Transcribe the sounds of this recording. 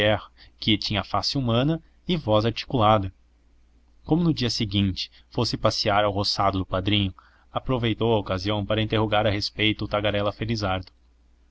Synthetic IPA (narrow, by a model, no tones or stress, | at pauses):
ɛhɐkɪt͡ʃĩɲɐfasɪumɐ̃nɐ | ɪvɔzaɾt͡ʃi̥kulad̪ɐ | kõmʊnʊd͡ʒiɐsɪɡĩnt͡ʃɪ̥ | fosɪpasiaɾawɦosad̪ʊd̪ʊpad̪ɾĩɲʊ | apɾovejt̪owɐokaziɐ̃w̃paɾɐĩnt̪eɦoɡaɾɐɦespejt̪ʊːt̪aɡaɾɛlɐfeɾizaɾd̪ʊ